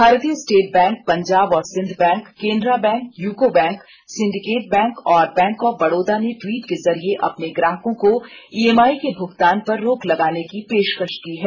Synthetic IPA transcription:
bʱaːɾt̪iəsʈeːʈ̚bɛ̃ːŋk̚pɐ̃ɲd͡ʒaːbɔːɾsɪ̃nd̪ʱbɛ̃ːŋkːẽːnd̪ɾabɛ̃ːŋkjuːkobɛ̃ːŋk | sɪ̃ɳɖɪkeːʈ̚bɛ̃ːŋkɔːɾbɛ̃ːŋkɔːbɐɽoːd̪aneʈwiːʈkezɐɾieʔɐ̰pneɡɾaːɦkõkoieːmaːikebʱʊkt̪aːnpɐɾːoːklɐɡaːnekipeːʃkəʃkiɦɛː

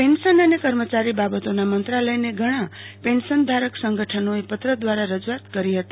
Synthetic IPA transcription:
pensənənekəɾmət͡ʃaɾibabət̪onamənt̪ɾaləjneɡʱəɽ̃ãpensənd̪ʱaɾəksə̃ŋɡʱəʈʰənoepət̪ɾəd̪ʋaɾaɾəd͡ʒuat̪kəɾiɦət̪i̥

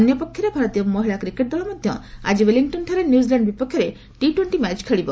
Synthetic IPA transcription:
njɔpɔkʰjɔɾebʱaɾɔt̪ijɔmɔɦiɭakɾikeʈ̚d̪ɔɭɔmɔd̪ʱjɔ̰a̰d͡ʒiweliŋʈɔnʈʰaɾenjud͡ʒilaɳɖbipɔkʰːjɔɾe | ʈiʈweɳʈimɛt͡ʃkʰeɭibɔ

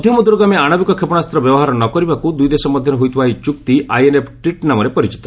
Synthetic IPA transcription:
d̪ʱjɔmɔd̪uɾɔɡameaɽ̃ɔbikɔkʰepɔɽ̃ast̪ɾɔbjɔbɔɦaɾɔnɔkɔɾibakud̪ujd̪esɔmɔd̪ʱjɔnɔɦojt̪ʰibaɦit͡ʃukt̪ia̰jenepʰʈwiʈnamɔɾepɔɾit͡ʃi̥t̪ɔ

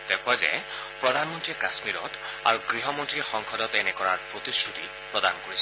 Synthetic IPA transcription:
d̥ɛkʰwazɛ̰ | pɹɔdʱanmɔntɹiɛkasmiɹɔ̰ta̰ɹuɡɹiɦɔmɔntɹiɛxɔŋkʰɔdɔtɛnɛkɔɹaɹpɹot̪isʰuti | pɹɔdankoɹisʰ

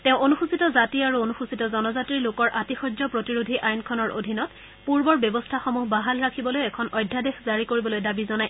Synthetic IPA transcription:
tẽʊ̃ʔonuxusitɔzatiaɹuonuxusitɔzɔnɔzatɹiɹlokɔɹʔatixɔd͡ʒzɔpɹotiɹudʱiʔajnkʰɔnɔɹʔo̰dʱinɔt | puɹbɔɹbjɔbɔstʰaxɔmuɦbaɦalɹakʰibɔlojɛkʰɔnɔjdʱːadexzaɹikoɹibɔlojdabizɔnaj

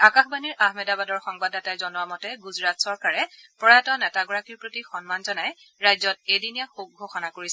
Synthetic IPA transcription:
akaxbaniɹʔahmɛdabadɔɹxɔŋbadatajzɔnʊamɔtɛɡuzɹatsɔɹkaɹɛpɹɔɹatɔnɛtaɡɔɹakiɹpɹotixɔnmanzɔnaj | ɹajzɔt̚ejdinijaxox̚ɡʱoxɔnakoɹis

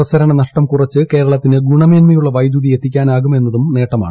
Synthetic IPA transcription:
rɐsɐɾɐɳɐnɐʂʈɐmkurɐt͡ɕːɨke̞ːɾɐɭɐt̪ːinɨɡuɳɐmeːnmɐjuɭːɐʋɐjd̪juðie̞t̪ːikʲːaːnaːɣume̞nːɐðumne̞ːʈːɐma̰ːɳ

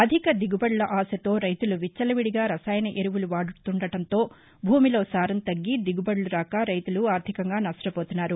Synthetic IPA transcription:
ɐd̪ʱikɐd̪iɡubɐɽlɐʔaːsɐt̪o̞ːɾɐjt̪uluʋit͡ʃːɐlɐʋiɽiɡaːɾɐsaːjɐnɐʔeɾuʋuluʋaːɽut̪uɳɖɐʈɐnt̪o̞ː | bʱuːmilo̞ːsaːɾɐnt̪ɐɡːid̪iɡubɐɽluɾaːkaːɾɐjt̪uluaːɾt̪ʰikɐŋɡaːnɐʂʈɐpoːt̪unːaːɾu

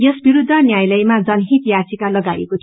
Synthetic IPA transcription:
jʌsbiɾud̪ʱːʌnjajlʌjmad͡zʌnɦit̪jasikalʌɡajḛko

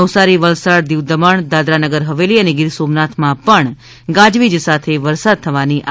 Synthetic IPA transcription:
əʋsaɾiʋəlsaɽd̪iʋd̪əməɳd̪ad̪ɾanəɡəɾɦəʋeliəneɡɪɾsomnat̪ʰmãpəɳ | ɡãd͡ʒʋid͡ʒsat̪ʰeʋəɾsad̪̚t̪ʰəʋaniʔ

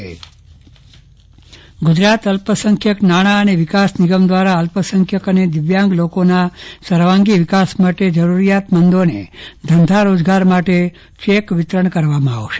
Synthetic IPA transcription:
ɡʊd͡ʒɾat̪əlpəsəŋkʰjəknaɽ̃aəneʋɪkasniɡəmd̪ʋaɾaəlpəsəŋkʰjəkəned̪ɪʋjãŋɡlokonasəɾʋãŋɡiʋɪkasmaʈed͡ʒəɾuɾijat̪mənd̪onḛd̪ʱənd̪ʱaɾod͡ʒɡaɾmaʈe | ʃekʋɪt̪ɾəɳkəɾʋamãa̰ʋʃe̥

